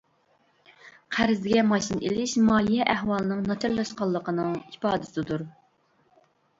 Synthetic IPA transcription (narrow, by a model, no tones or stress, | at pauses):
qʰæɾɪzd̪ɪɡʲɛmɑʃinʔḛlɪʃmɑːlijɛʔæhwɑlˠɨnɨŋnɑt̪ʰɛɾlɑʃqɑlˠːəqənɨŋipɑːd̪ɨsɨd̪uɾ